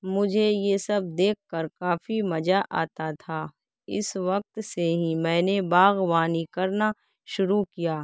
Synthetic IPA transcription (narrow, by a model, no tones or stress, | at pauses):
mʊd͡ʒʱejesɐb̚d̪eːkʰkəɾkaːfimɐd͡ʒaʔa̰ːt̪at̪ʰaː | ɪ̰sʋɐk̚t̪seɦĩmɛ̃ːnebaːɣʋaːnikɐɾna | ʃʊɾukijaː